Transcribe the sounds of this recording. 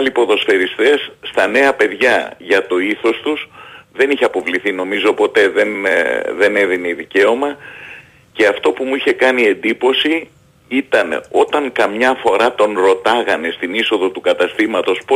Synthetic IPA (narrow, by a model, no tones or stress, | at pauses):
lipo̞ðo̞sfe̞ɾist̪e̞sːt̪ɐne̞ɐpe̞ðʝɐʝɐt̪o̞iθo̞st̪usðe̞niçeɐpo̞vliθino̞mizo̞po̞t̪e̞ðe̞nðe̞ne̞ðineiðice̞o̞mɐ | ce̞ɐft̪o̞pumuiçe̞kɐnie̞nd̪ipo̞si | it̪ɐno̞t̪ɐŋkɐmɲɐfo̞ɾɐt̪o̞nɾo̞t̪ɐɣɐne̞st̪iniso̞ðo̞t̪ukɐt̪ɐst̪imɐt̪o̞sp